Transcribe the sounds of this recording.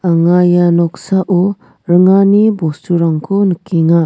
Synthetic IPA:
aŋajanɔksaʔo | ɾɯŋanibɔstʰuɾaŋkʰunɯkʰiŋa

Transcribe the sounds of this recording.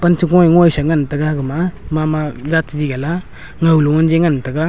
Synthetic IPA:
pant͡ʃʰiɡojŋojsaŋantaɡaɡɯmamamad͡ʒatd͡ʒiɡala | ŋawluŋand͡ʒeŋantaɡa

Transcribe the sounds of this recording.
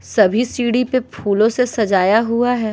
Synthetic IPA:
sɐbʱisiːɽipepʰuːlõsesɐd͡ʒaːjaɦuaɦɛː

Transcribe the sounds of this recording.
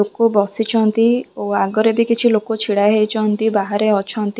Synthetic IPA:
okobɔsit͡ʃʰɔnt̪ioaɡɔɾebikit͡ʃʰilokot͡ʃʰiɽajɦejt͡ʃʰɔnt̪ibaɦaɾeɔt͡ʃʰɔnt̪i

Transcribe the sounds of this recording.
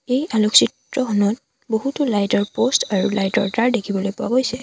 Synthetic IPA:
ejaloksitɹɔxɔnɔt | boɦutʊlajtɔɹpostaɹulajtɔɹtaɹdekʰibɔlojpʊa̰ɡojsɛ

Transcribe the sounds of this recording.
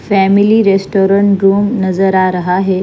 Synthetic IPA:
fɛmiliːɾesʈoɾəɳʈɾuːmnəd͡zəɾaɾəɦaɦe

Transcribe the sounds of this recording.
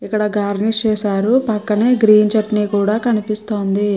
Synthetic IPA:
ikːɐɽɐɡaːɾnist͡ʃɛːsaːɾupɐkːɐneːɡɾiːnt͡ʃɐʈniːkuːɽaːkɐnipist̪oːnd̪i

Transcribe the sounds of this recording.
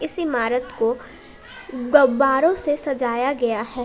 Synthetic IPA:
ɪsɪmaːɾət̪ko | ɡɐbaːɾõsesɐd͡ʒaːjaɡɐjaɦɛː

